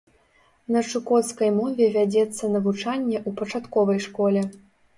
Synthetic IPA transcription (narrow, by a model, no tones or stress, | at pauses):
nɐt͡ʂukɔt̪skɐjmɔvʲɛvʲad͡zʲɛt̪sːɐnɐvut͡ʂanʲːɛʔupɐt͡ʂat̪kɔvɐjʂkɔlʲɛ